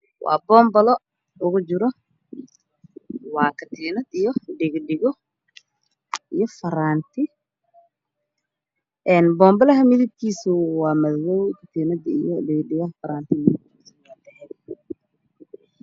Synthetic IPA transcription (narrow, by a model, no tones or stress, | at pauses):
wɑ̰ːbɔːmbɐlɔ | ʊɣʊt͡ʃɪɾɔ | wɑːkʰɐt̪ʰiːnɐd̪ijɔɖɪɣɖɪɣɔ | ijɔfɐɾaːnt̪ʰɪ | ʔɛːnbɔːmbɐlɐɦɐmɪðɪb̚kʰiːsʊwɑːmɐðwɔwkʰɐt̪ʰinɐd̪ḭjɔɖɪɣɖɪɣɐɐfɐɾaːnt̪ʰɪmɪð | s | ɐd̪ɐhɛ